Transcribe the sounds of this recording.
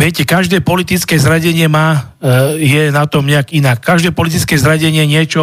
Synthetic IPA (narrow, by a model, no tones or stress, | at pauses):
ʋɛcɛkaʒd̪ɛːpɔlit̪it͡skɛːzɾaɟɛɲɪɛmaː | jɛnat̪ɔmɲɛakinakːaʒd̪ɛːpɔlit̪̬it͡skɛːzɾaɟɛɲɪɛɲɪɛt͡ʃɔ